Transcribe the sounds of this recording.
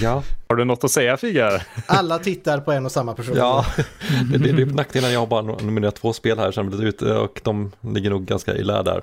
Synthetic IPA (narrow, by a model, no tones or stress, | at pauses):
jahaɖɵnɔt̪ːɔsɛjːafiːɡaɾʔalːat̪ʰɪt̪ːaɾpʰɔɛnɔsamːapʰæʂuːjɑːd̪ɛd̪ɛd̪pnakt̪ɪnanjɑhaɾbɑːɾanʊmɪneːɾat̪ʰːvoːspeːlhæːɾʂɛnmɪlit̪ʉ̟ːt̪ɔ̰kd̪ɔmlɪɡːəɳuːɡːa̰nska̰ʔɪ̰læ̰ːdæ̰ːɾ